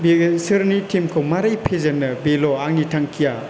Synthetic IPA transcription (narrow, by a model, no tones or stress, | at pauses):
besɯɾnitʰimkʰowmaɾajpʰezɐnːɐbeloaŋnitʰaŋkʰija